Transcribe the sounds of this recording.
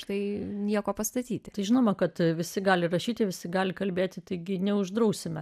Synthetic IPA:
ʃt̪ɐɪnʲiɛkoːpɐst̪ɐt̪ʲiːt̪ʲɪt̪ɐɪʒʲɪnoːmɐkɐt̪ʋʲɪsʲɪɡɑːlʲɪrɐʃʲiːt̪ʲɪʋʲɪsʲɪɡɑːlʲɪkɐlʲbʲeːt̪ʲɪt̪ɐɪɡʲɪnʲɛʊʒd̪ɾɐʊsʲɪmʲɛ

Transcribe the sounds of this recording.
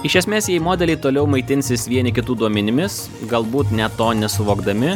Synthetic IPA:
ɪʃʲɛsʲmʲeːsjɛɪmoːd̪ʲɛlʲɛɪt̪oːlʲɛʊmɐɪt̪ʲɪnʲsʲɪsʋʲiɛnʲɪkʲɪt̪uːd̪uɔmʲɛnʲɪmʲɪs | ɡɐlˠbuːt̪nʲɛt̪oːnʲɛsʊʋoːɡd̪ɐmʲɪ

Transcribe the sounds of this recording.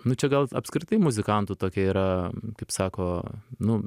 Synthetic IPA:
nʊt͡ʃʲɛɡɐlˠɐpskɾʲɪt̪ɐɪmʊzʲɪkɐnt̪ut̪oːkʲɛiːɾɐkɐɪpsɑːkoːnʊ

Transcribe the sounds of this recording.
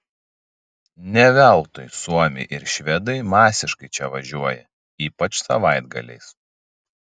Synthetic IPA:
nʲɛʋʲɛˑlˠt̪ɔɪsuɔmʲɪ̰ɪʔɪɾʃʲʋʲɛd̪ɐɪmɑːsʲɪʃkɐɪt͡ʃʲɛʋɐʒʲuɔjɛ | iːpɐt͡ʃsɐʋɐɪd̪ɡɐ̰lʲɛ̰ɪs

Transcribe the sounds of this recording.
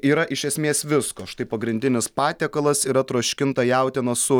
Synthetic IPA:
iːɾɐʔɪʃʲɛsʲmʲeːsʋʲɪskoːʃt̪ɐɪpɐɡɾʲɪnʲd̪ʲɪnʲɪspɑːt̪ʲɛːkɐlˠɐsiːɾɐt̪ɾuɔʃʲkʲɪnt̪ɐjɛˑʊt̪ʲɛnɐsʊ

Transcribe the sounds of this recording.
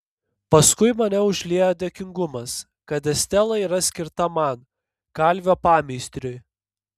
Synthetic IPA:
pɐskʊɪmɐnʲɛʊʒʲlʲiɛjoːd̪ʲeːkʲɪŋɡʊmɐs | kɐt̪ʲɛsʲt̪ʲɛlˠɐiːɾɐsʲkʲɪɾt̪ɐmɐn | kɐlʲʋʲoːpɑːmʲɪɪsʲt̪ʲɾʲʊj

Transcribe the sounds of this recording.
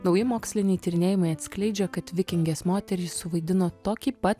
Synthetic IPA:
nɒʊjɪmoːksʲlʲɪnʲɛɪt̪ʲɪɾʲɪnʲeːjɪmɐɪɐt̪ʲsʲkʲlʲɛɪd͡ʒʲɛkɐt̪ʋʲɪkʲɪŋʲɡʲeːsmoːt̪ʲɛɾʲiːsʊʋɐɪd̪ʲɪnoːt̪oːkʲiːpɐt̪

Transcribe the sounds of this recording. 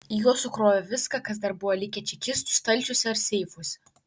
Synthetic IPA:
ijuɔsʊkɾoːjʲɛʋʲɪskɐkɐsd̪ɐɾbʊʋɐlʲɪkʲɛt͡ʃʲɛkʲɪst̪ʊst̪ɐlʲˑt͡ʃʲʊsʲɛɐɾsʲɛɪfosʲɛ

